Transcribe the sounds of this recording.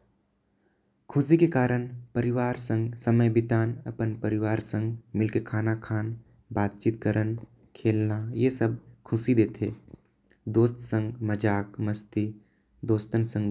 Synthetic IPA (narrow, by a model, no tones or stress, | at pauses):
kʰʊsikekaːɾəñpəɾɪʋaːɾsə̃ŋɡsəməjbɪt̪aːnɐ̰pənpəɾɪʋaːɾsə̃ŋɡmɪlkekʰaːnakʰaːn | baːt̪̚t͡ʃiːt̪̚kəɾʔən | kʰeːlnajesəb̚kʰʊsid̪eːt̪ʰeː | d̪oːst̪sə̃ŋɡməd͡ʒaːkmɐst̪i | d̪oːst̪ənsə̃ŋɡ